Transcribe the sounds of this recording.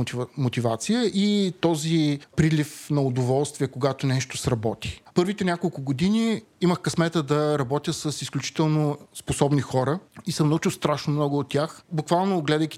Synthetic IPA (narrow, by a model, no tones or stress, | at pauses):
mot̪ivat̪sijəʔit̪ɔzipɾilʲifnɐʊd̪ovɔlˠst̪vʲiɛkoɡat̪onɛʃt̪osɾɐbɔt̪i̥pɤɾvit̪ɛnʲjakolˠkʊɡod̪iniiməxkɐsmɛt̪əd̪ɐɾɐbɔt̪ʲjəsɐsisklʲut͡ʃi̥t̪ɛlˠnosposɔbnixɔɾəisəmnut͡ʃʊst̪ɾaʃnomnɔɡʊːt̪ʲːjaxbʊkvalˠnoɡlɛd̪əjkʲi